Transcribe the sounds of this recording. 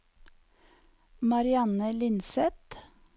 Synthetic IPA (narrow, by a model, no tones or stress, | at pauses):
mɑɾɪɑnəlɪnsɛt̪